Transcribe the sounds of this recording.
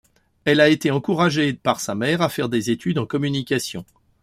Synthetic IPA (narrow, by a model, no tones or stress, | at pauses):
ɛlaet̪eɑ̃kuʁaʒepaʁsamɛʁafɛʁd̪ezet̪yd̪ɑ̃kɔmynikʲasjɔ̃